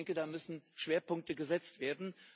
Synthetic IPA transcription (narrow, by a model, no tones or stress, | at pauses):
ŋkədaːmʏsn̩ʃv̥eːɐpʊŋk̚təɡəzɛt͡stv̥eːɐdn̩